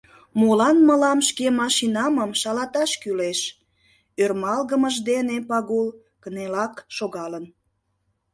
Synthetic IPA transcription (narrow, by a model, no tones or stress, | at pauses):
molɑnməlɑmʃkemɑʃinɑməmʃɑlɑt̪ɑʃkyleʃ | ørmɑlɣəməʒd̪enepɑɣulˠ | kənelɑkʃoɣɑlən